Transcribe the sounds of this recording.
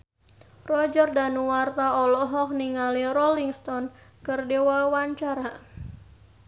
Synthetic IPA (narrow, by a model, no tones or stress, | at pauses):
rɔd͡ʒərdanuwart̪aɔlɔɦɔk̚niŋalirɔliŋst̪ɔnkərdewawaɲt͡ʃaɾa